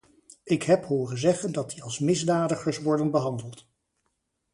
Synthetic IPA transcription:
ɪkɦɛpɦoːrənzɛχəndɑt̚diɑlˠsmɪzdaːdəχəɹsʋɔɹdənbəɦɑndəlˠt

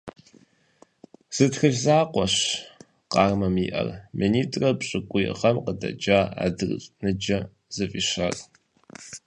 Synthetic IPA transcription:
z̥ɨtxɨfzaːqʷɔɕ | qɑːrmɐmiːʔɐ̰rmɨniːtʼrɐpɕʼɪkʷʼʊjɪ̰ʁɐmqədɐ̰d͡ʒaːa̰ːdɨrɕʼnɨd͡ʒɐ | z̥ɨfʼiɕɐr

